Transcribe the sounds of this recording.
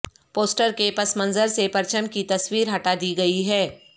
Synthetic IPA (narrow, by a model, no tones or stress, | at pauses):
poːsʈəɾkepɐsmɐ̃nzəɾsepɐɾt͡ʃəmkit̪ɐswiːɾɦɐʈad̪iːɡɐiɦɛː